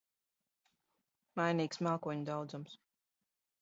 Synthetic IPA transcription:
majniːksmaːkuɔɲud̪awd̪zums

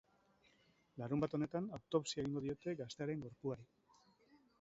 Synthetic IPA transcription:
laɾumbat̪o̞ne̞t̪anawt̪o̞psieɣiŋɡo̞ð̞io̞t̪e̞ɡast̪e̞aɾe̞ŋɡo̞ɾpuaɾi

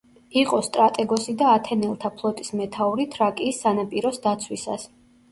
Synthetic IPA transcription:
iqʼɔst̪ʼɾat̪ʼɛɡɔsid̪aːt̪ʰɛnɛlˠt̪ʰapʰlˠɔt̪ʼismɛt̪ʰauɾit̪ʰɾakʼiːsːanapʼiɾɔsd̪at̪sʰwisa̰s

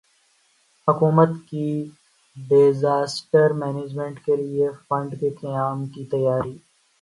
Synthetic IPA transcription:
hʊkuːmət̪ki | beːzaːsʈəɾmɛːneːd͡ʒmẽɳʈkeliefə̃ɳɖkekɐjaːmkit̪ɐjaːɾiː

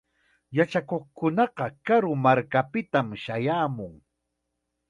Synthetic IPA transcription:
jat͡ʃakoχkʊnɑqɑkaɾʊmaɾkapɪt̪amʃajaːmʊŋ

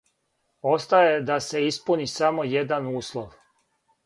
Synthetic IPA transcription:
ost̪ajed̪ase̞ispunisamo̞jed̪anuːslˠoʋ

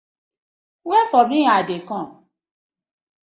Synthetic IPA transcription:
wɛfɔmĩadekɔ̃m

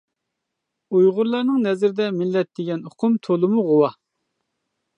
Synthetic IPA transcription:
ujʁʊɾlˠɑɾnɨŋnɛzɪɾɪd̪ɛmɪlːɛt̪̚d̪ɪɡʲɛnoqʰʊmt̪ʰolˠɨmuʁowɑ

